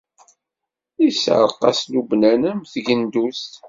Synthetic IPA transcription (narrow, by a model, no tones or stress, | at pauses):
isʕə̰ɾˤqɑ̰slubnænæmθʝənd̪ust̪